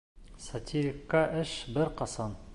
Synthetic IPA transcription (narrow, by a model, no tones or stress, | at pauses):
sɐtʲʰiɾʲɪkːɑʔɘʃbɘɾqɑsɑn